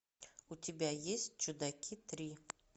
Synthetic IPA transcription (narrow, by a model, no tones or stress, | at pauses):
utʲʰibʲajesʲt̚t͡ʃʰud̪akʲʰit̪ʰri